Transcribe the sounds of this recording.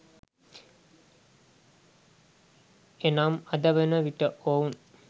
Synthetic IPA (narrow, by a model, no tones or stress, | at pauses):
enaːmɐd̪əʋenəʋiʈəʔoun